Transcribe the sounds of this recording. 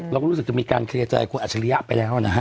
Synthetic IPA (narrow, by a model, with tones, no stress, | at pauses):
ɾa˧kɔ˥ɾu˦˥sɯ˨˩k̚t͡ɕa˧miː˧ka̰ː˧nkʰli˧ət͡ɕa̰ː˨˩jkʰu˧nʔa˨˩t̚t͡ɕa˧li˧˦ja˦˥ʔpa˧jlɛː˦˥wa˨na˦˧ɦa˦